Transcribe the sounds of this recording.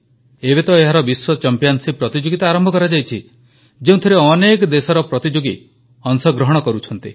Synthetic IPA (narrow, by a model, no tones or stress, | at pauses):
ebet̪ɔeɦaɾɔbiswɔt͡ʃɔmpijansipɾɔt̪id͡ʒoɡit̪aːɾɔmbʱɔkɔɾad͡ʒajt͡ʃʰi | d͡ʒeũt̪ʰɔɾeɔnekɔd̪esɔɾɔpɾɔt̪id͡ʒoɡi | ɔŋsɔɡɾɔɦɔɽ̃ɔkɔɾut͡ʃʰɔnt̪i